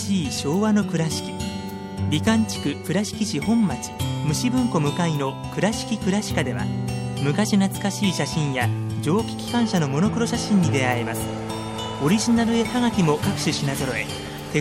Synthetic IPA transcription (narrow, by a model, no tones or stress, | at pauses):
iːɕo̞ːβano̞kɯ̟ɾaɕi̥kʲi̥ | ɾʲikãɲt͡ɕi̥kɯ̟kɯ̟ɾaɕi̥kʲiʑihõ̞mːat͡ɕi̥mɯ̟ɕibɯ̟̃ŋko̞mɯ̟kaino̞ | kɯ̟ɾaɕi̥kʲikɯ̟ɾaɕi̥kad̪e̞βa̰mɯ̟kaɕinat͡sɨ̥kaɕiːɕaɕĩɰ̃jad͡ʑo̞ːkʲi̥kʲi̥kãɰ̃ɕano̞mo̞nokɯ̟ɾo̞ɕaɕĩɲ̟ːid̪e̞aemasɨ̥ | o̞ɾʲiʑinaɾɯ̟e̞haɡakʲimo̞kakɯ̟̥ɕɨɕinazo̞ɾo̞e̞̰ | t̪e̞